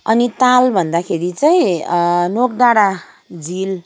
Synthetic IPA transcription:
ʌnit̪albʱʌnd̪akʰeɾit͡saĩnok̚ɖaɽa | d͡zil

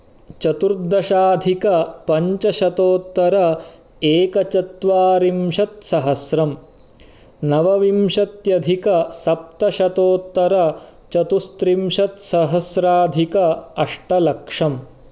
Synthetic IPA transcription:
t͡ʃɐt̪uɾd̪ɐʃaːd̪ʱikɐpɐɲt͡ʃɐʃɐt̪oːt̪ːɐɾɐ | eːkɐt͡ʃɐt̪ʋaːɾimʂɐt̪̚sɐɦɐsɾɐm | nɐʋɐʋimʃɐt̪jɐd̪ʱikɐsɐp̚t̪ɐʃɐt̪oːt̪ːɐɾɐt͡ʃɐt̪ust̪ɾimʃɐt̪sɐɦɐsɾaːd̪ʱikɐɐʂʈɐlɐkʂɐm

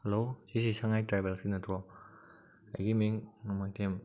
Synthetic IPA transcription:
helosisisaŋajtɾajbelsinɐtʰɔ | a̰jɡimiŋŋamajtʰem

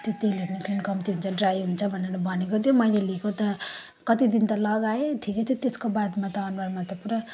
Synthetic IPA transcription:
t̪jot̪eleɾnikʰlinkʌmt̪iɦunt͡sʰʌɖrajɦunt͡sʰʌbʱʌneɾʌbʱʌnekot̪ʰijomʌjlelikot̪ʌ | kʌt̪id̪int̪ʌlʌɡaet̪ʰiket̪ʰjot̪eskobad̪mat̪ʌːnbarmat̪ʌpuɾʌ

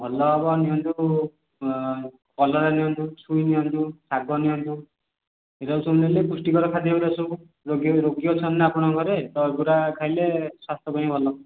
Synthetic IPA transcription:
bʱɔlɔːbɔniɦɔnt̪u | kɔlɔɾaniɦɔnt̪usʰujniɔnt̪usʰaɡɔniɔnt̪u | ɦeɾawsʰunelepusʈiɡɔɾɔkʰad̪iuɾasʰu | ɾoɡɾoɡjɔt͡sʰɔnːapɔɽ̃ɔɡʱɔɾet̪ɔɡuɾakʰajleswast̪ʰɔbajĩbʱɔlɔ

